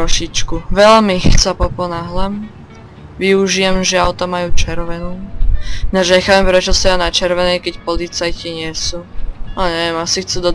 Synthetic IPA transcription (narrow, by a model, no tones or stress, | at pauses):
ɔʃit͡ʃkuʋɛlmixt͡sapɔpɔnaɦlɛm | ʋiuʒijɛmʒɛaʊt̪amajuːt͡ʃɛɾʋɛnuː | naʒɲɛxaːpɛmpɾɛt͡ʃɔsɛanat͡ʃɛɾʋɛnɛjkɛcpɔlit͡sajciɲɪɛsuːalɛɲɛʋjɛmasixt͡sɛd̪ɔd̪